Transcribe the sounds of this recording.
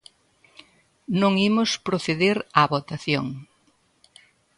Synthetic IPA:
nõŋimʊspɾoθeðeɾaβot̪aθjoŋ

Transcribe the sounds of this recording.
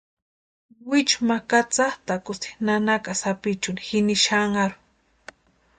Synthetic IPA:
wɪt͡ʃmakat͡saχt̪akʊst̪i̥nanakasapit͡ʃʊnixɪniʃaŋaɾʊ̥

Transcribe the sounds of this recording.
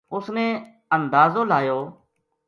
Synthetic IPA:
ʊsnẽː | ənd̪aːzoːlaːjoː

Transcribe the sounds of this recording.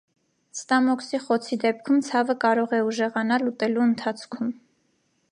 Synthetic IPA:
st̪ɑmɔksiχɔt͡sʰid̪ɛp̚kʰumt͡sʰɑvəkɑɾɔʁɛuʒɛʁɑnɑlːut̪ɛluənt̪ʰɑt͡sʰkʰum

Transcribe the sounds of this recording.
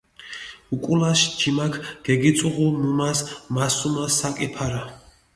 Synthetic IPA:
ukʼulaʃd͡ʒimakʰɡ̥ɛɡit̪sʼuʁumumasmasumasːakʼipʰaɾa

